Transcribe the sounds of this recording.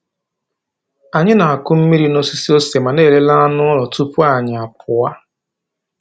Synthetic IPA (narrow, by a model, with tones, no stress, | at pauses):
a˨ɲɪ˦na˨a˨kʊ˦m̩˦mi˦ɾi˦no˦si˦si˦o˦se˨ma˨ne˦˨le˦la˦a˦nʊ˦ɔ˦lɔ˨tu˦pʊ˦a˨ɲɪ˨a˨p̚ʰʊ˨wa˦